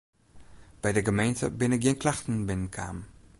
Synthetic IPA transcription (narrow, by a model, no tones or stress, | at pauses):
b̥ɛjdəɡəmejntə̰bɪnɪk̚ɡɪənkʰlaxtn̩bɪnənkʰa̰ːm